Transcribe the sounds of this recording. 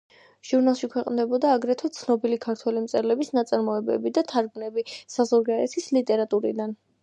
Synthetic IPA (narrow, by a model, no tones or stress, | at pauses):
ʒ̥uɾnalˠʃikʰwɛqʼnd̪ɛbɔd̪aːɡɾɛt̪ʰwɛt̪sʰnɔbilikʰaɾt̪ʰwɛlimt̪sʼɛɾlɛbisnat̪sʼaɾmɔɛbɛ̰bid̪at̪ʰaɾɡmnɛbisazɔɾɡaɛt̪ʰislit̪ʼɛɾat̪ʼuɾḭd̪an